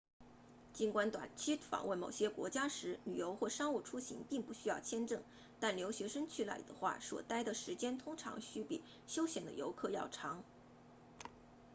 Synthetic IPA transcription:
t͡ɕi˧˥nkwa˥nt̪wa̰˨˩nt͡ɕʰi˥tfɑ̰˨˩ŋwə˥˩nmo˨˩ʊɕjɛ˥kwɔ̰˧˥t͡ɕja˥ʂɻ̩˧˥ly̰˨˩jo˧˥ʊxwɔ˥˩ʂɑ˥ŋu˥˩ʈ͡ʂʰu˥ɕḭ˧˥ŋpi˥˧ŋpu˧˥˩ɕy˥jɑ˥˩ʊt͡ɕʰjɛ˥nʈ͡ʂɤ˥˩ŋ | t̪a˥˩nljo˧˥ʊɕɥɛ˧˥ʂə˥ŋt͡ɕʰy˥˩la̰˥˩ɪd̪ə˧xwa̰˥˩swɔ̰˨˩t̪a˥ɪd̪ə˨ʂɻ̩˧˥t͡ɕjɛ˥nt̪ʰʊ˥ŋʈ͡ʂʰɑ̰˧˥ŋɕy˥pḭ˨˩ | ɕjo˥ʊɕjɛ˨˩nd̪ə̰˦jo˧˥ʊkʰɤ˥˧jɑ̰˥˩ʊʈ͡ʂʰɑ˧˥ŋ

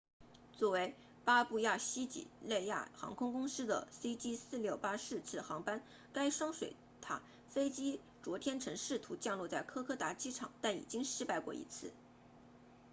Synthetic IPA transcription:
t͡swɔ˥˩we˧˥ɪ | pa˥pu˥˧ja˥˩ɕi˥t͡ɕḭ˨˩˦le˥˧ɪja̰˥˩xɑ̰˧˥ŋkʰʊ˥ŋkʊ˥ŋʂɹ̩˥d̪ə̰˨˩si˥t͡ɕi˥sɹ̩˥˧ljo˥˩ʊpa˥ʂɻ̩˥˧t͡sʰɹ̩˥˩xɑ˧˥ŋpa˥n | ka˥ɪʂwɑ˥ŋʂwḛ˨˩ɪ | t̪ʰa̰˨˩ | fe˥ɪt͡ɕi˥ | t͡swɔ˧˥t̪ʰjɛ˥nʈ͡ʂʰɤ˧˥ŋʂɻ̩˥˩t̪ʰu˧˥t͡ɕjɑ˥˧ŋlwɔ˥˧t͡sa˥˩ɪkʰɤ˥kʰɤ˥t̪a˧˥t͡ɕi˥ʈ͡ʂʰɑ̰˨˩˦ŋt̪a˥˩nḭ˨˩t͡ɕi˥ŋʂɻ̩˥˧pa˥˧ɪkwɔ˥˩ḭ˧˥t͡sʰɹ̩˥˩

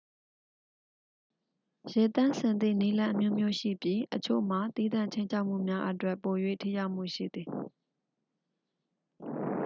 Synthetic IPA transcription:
jɛ˨t̪ã˦˨nsɪ̃˨nd̪ḭ˦˨ni˦lã˦ʔəmjo˦mjo˦ʃḭ˦˨pji˦ʔət͡ɕʰo̰˦˨m̥a˨t̪i˦d̪ã̰˦˨ɲt͡ɕʰẽ˦ɲt͡ɕʰa˦ʊʔm̥ṵ˦˨mja˦ʔə˦twɛ˦˨pːo˨jwḛ˦˨tʰi˦ja˦ʊʔm̥ṵ˦˨ʃḭ˦˨d̪ði˨

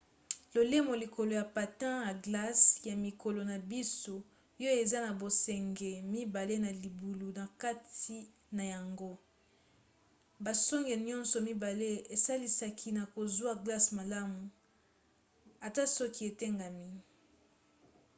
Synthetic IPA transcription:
lo˨le˦mo˨li˨ko˨lo˨ja˨pa˨tã˦ja˨ɡla˦sja˨mi˨ko˨lo˨na˨bi˦so˦ | jo˦e˨za˦na˨bo˨sɛ˨ŋɡɛ˨mi˦ba˨le˦na˨li˨bu˨lu˨na˨ka˦ti˨˦ | na˨ja˨ŋɡo˦ | ba˨sɔ˦ŋɡe˨ɲɔ̃˦nsɔ˨mi˦ba˨le˦e˨sa˦li˦sa˨kʰi˦na˨ko˨zwa˦ɡla˦sma˨la˦mu˨ | a˨ta˦sɔ˦ki˦e˨tɛ˦ŋɡa˨mi˦

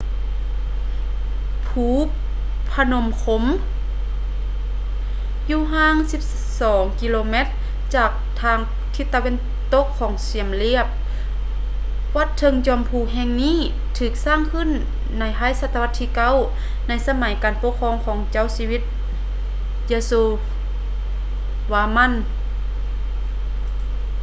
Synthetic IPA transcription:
pʰuː˧˦ | pʰa˧no˧˦mkʰo˧˥m | juː˧ɦaː˧˥˨ŋsi˧˦p̚ | sɔː˨˩˦ŋki˧loː˧me˧˥t̪̚ | t͡ɕaː˧˩k̚t̪ʰaː˧ŋ | t̪ʰi˧˦t̪ːa˧we˧˥˨n | t̪o˧˥kʰːɔː˨˦ŋsi˨˩əmli˧əp̚ | wa˧˥t̪ʰːɤ˧˥ŋt͡ɕɔː˧˦mpʰuː˧ɦɛ˧˨ŋniː˧˥˨ | t̪ʰɯː˨˧˩k̚saː˧˥˨ŋkʰɯ˧˥˨nː | a˧˩jpʰaː˧˥˨jsa˧˥t̪ːa˧a˧t̪ʰːiː˧ka˧˥˨w | na˧˥jsa˧ma˨˦jkaː˨npo˧˥kʰɔː˧˥˨ŋkʰɔː˨˦ŋt͡ɕa˧˥˨wsiː˧wi˧˥t̪̚ | jeː˧suː˧ | waː˧˦ma˧˥˨n

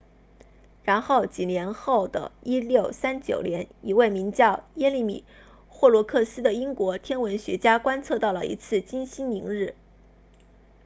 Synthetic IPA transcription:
ɻa˧˥nxo˥˩ʊt͡ɕi˨˩njɛ˧˥nxo˥˩ʊd̪ə̰˩i˥ljo˥˩ʊsa˥nt͡ɕjo̰˨˩ʊljɛ˧˥ni˧˥we˥˩ɪmi˧˥ŋt͡ɕjɑ˥˩ʊjɛ˥li˥˩mḭ˨˩ | xwɔ˥˩lwɔ˧˥kʰɤ˥˩sɹ̩˥d̪ə˨i˥ŋkwɔ˧˥t̪ʰjɛ˥nwə˧˥nɕɥɛ˧˥t͡ɕja˥kwa˥nt͡sʰɤ˥˧t̪ɑ˥˩ʊlə˩ʔḭ˧˥t͡sʰɹ̩˥˩t͡ɕi˥nɕi˥ni˧˥ŋɻɻ̩˥˩

